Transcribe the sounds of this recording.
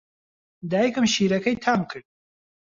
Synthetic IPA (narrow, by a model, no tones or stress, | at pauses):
d̪aːjikɨmʃiːɾɐkʰɐjt̪ʰaːmkʰɨɾd̪̚